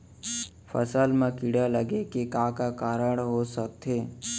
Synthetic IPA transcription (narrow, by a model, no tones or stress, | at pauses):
fʰə̰səlmãkiɽaləɡekekãkakaɾəɽɦosək̚t̪eː